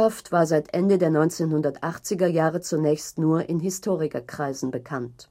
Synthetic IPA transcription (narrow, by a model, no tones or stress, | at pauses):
aftv̥aːɐzaɪtʔɛndədeːɐnɔʏnt͡seːnhʊndɐtʔaχt͡sɪɡɐjaːʁət͡sunɛːçstnuːɐʔɪnɦɪstʰoːʁɪkɐkʁ̥aɪzn̩bəkʰant